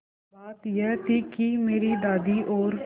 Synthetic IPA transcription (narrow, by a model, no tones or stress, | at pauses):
baːt̪jɛːt̪iːkimeːɾiːd̪aːd̪iːʔoːɾ